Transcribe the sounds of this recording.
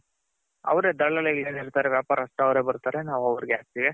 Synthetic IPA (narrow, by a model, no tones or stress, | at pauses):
ɐ̰ʋɐɾe̞ːd̪ɐɭɐleɐleːniɾt̪aːɾeʋjaːpaːɾɐst̪ɐɐʋɾe̞ːbɐɾt̪aːɾe̞naːʋuɐʋɐɾiɡeaːs̚t̪iːʋe